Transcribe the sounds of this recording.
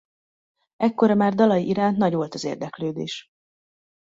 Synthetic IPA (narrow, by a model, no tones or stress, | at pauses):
ɛkːoɾɒmaːrd̪ɒlɒjiʔiɾaːnt̪nɒɟʋolt̪ɒzḛːrd̪ɛkløːd̪eːʃ